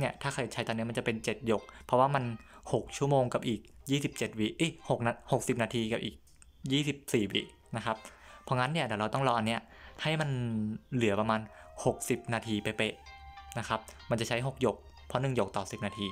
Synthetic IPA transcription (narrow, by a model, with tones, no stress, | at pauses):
ni˥˩ɐt̪ʰaː˥˩kʰa˧˩jt͡ɕʰa˦˥jt̪ɔː˧ni˦˥m˧nt͡ɕa˨˩pe˧nt͡ɕe˨˩t̪̚jo˨˩k̚pʰɔ˦˥waː˥˩ma˧nho˨˩k̚t͡ɕʰu˥˩əmoː˧ŋka˨˩p̚ʔiː˨˩k̚jiː˥˩si˨˩p̚t͡ɕe˨˩t̪̚wiː˦˩ʔe˦˥˩ho˨˩k̚naː˧ho˨˩k̚si˨˩p̚naː˧t̪ʰiː˧ka˨˩p̚ʔiː˨˩k̚ | jiː˥˩si˨˩p̚siː˨˩wḭː˦˩ | na˦˥kʰa˦˥p̚ʰːɔ˧˦˥ŋa˦˥nːi˥˩ɐlɛː˩˦ɾa˧wt̪ɔ˥˩ŋɾɔː˧ʔa˧nːi˦˥ɐha˥˩jma˧nlɯ˨˩˦pa˧maː˧nho˨˩k̚si˨˩p̚naː˧t̪ʰiː˧pa˧jpe˧˩ʔna˦˥kʰa˦˥p̚ma˧nt͡ɕa˨˩t͡ɕʰa˦˥jɦo˨˩k̚jo˨˩k̚ | pʰɔ˦˥nɯ˨˩ŋjo˨˩k̚t̪ɔː˨˩si˨˩p̚naː˧t̪ʰiː˧